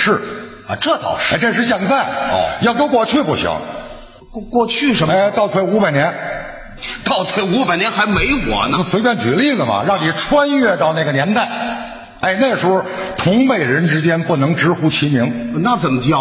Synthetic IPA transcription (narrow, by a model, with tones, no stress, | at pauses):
ʂɻ̩˥˩˧ | ʈ͡ʂɤ˥˩t͡sɑ̰˨˩ʊʂʈ͡ʂe˥˧ʂɻ̩˥˧ɕ̬jɛ˥˧nt͡sa˥˩ɪ̰˧˩jɑ˥˩ʊko˥kwɔ˥˧t͡ɕʰy˥˧pu˥˩ɕḭ˧˥˦ŋ˧ | kwɔ˥˧t͡ɕʰy˥˩ʂə˧˥e˥˧˩ɪt̪ɑ˥˩ʊt̪ʰwe˥˩ɪu˧˥pa˨ɪnjɛ˧˥n | t̪ɑ˥˩ʊt̪ʰwe˥˩ɪu˧˥pa˨˩ɪnjnxa˧˥ɪme˧˥ɪwwɔ̰˨˩n˥˩swpjɛ˥˩nt͡ɕy˨˩˦li˥˩lə˩mɐ̰˩ɻɑ˥˩ŋni˨˩ʈ͡ʂʰwa˥nɥɛ˥˧t̪ɑ˥˧ʊna˥˩ɡə˩njɛ˧˥nt̪a˥˩ɪ | e˥˧ɪna˥˩ɪʂu˧˥ʊ˥˧ | t̪ʰʊ˧˥ŋme˨˩ɪɻə˧˥nʈ͡ʂɻ̩˥t͡ɕjɛ˥npu˥˩nɤ˧˥ŋʈ͡ʂɻ̩˧˥xu˧˥t͡ɕʰi˧˥mi˧˥ŋna˥˩t͡sə˨˩mə˦t͡ɕj